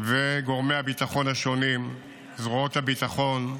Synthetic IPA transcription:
veɡo̞ʁmehabit̪aχo̞nhaʃo̞nim | zʁoot̪habit̪aχo̞n

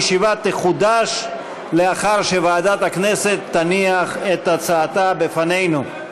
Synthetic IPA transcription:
ʃivat̪ːeχud̪aʃ | leaχaʁʃe̞vaːd̪at̪haknese̞t̪ːaniaχet̪at͡saːt̪abefane̞jnu

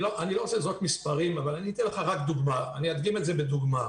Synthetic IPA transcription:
lo̞ʔanilo̞ʁot͡sezotmispaʁimavalaniit̪ɛnleχaʁakd̪uɡmaːniad̪ɡimetze̞bed̪uɡma

